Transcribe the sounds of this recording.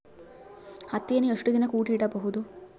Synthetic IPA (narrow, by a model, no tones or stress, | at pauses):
hɐt̪ːenueʂʈud̪inɐkuːʈiɽɐbɐɦud̪u